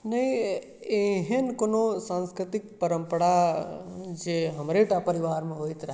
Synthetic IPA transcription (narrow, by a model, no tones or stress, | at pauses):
nɐĩ | eɦenkonosãːnskɾɪt̪ɪk̚pəɾə̃mpəɽa | d͡ʒeɦəmɾeʈapəɾiʋaːɾmẽɦoːit̪ɾɐɦ